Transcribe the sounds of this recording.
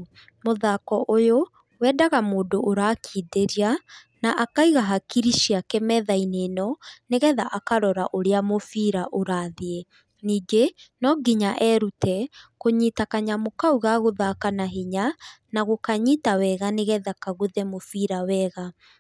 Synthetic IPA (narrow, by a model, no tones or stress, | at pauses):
moðakɔʔojo | wɛdaɣamoːdoʔoɾaːkʰiːdeɾia | naʔakaiɣaɦakiɾiʃiakɛmɛðainenɔneɣɛðaʔakaɾɔɾaʔoɾeamofiɾaʔoɾaðie | niːɡenɔɡiɲaʔɛɾutɛkoɲitakaɲamokauɣaɣoðakanaɦeɲanaɣokaɲitawɛɣaneɣɛðakaɣuðɛmofiɾawɛɣa